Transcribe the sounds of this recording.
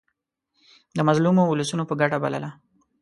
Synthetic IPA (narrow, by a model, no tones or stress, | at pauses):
d̪əmazlumouləsunopəɡaʈabalə̰la